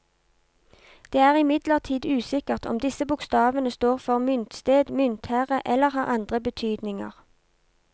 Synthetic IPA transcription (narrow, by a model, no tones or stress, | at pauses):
d̪̥eːæːʁɪmɪd̪ləʁt̪ʰiːd̪ʉːsɪkəʁt̪ʰɔ̰md̪ɪsəbʊkst̪ɑːʋənəst̪oːʁfɔʁmʏnt̪st̪eːd̪mʏnt̪hæːʁəʔɛləʁhɑːʁɑnd̪ʁəbət̪ʰyːd̪nɪŋə̰ʁ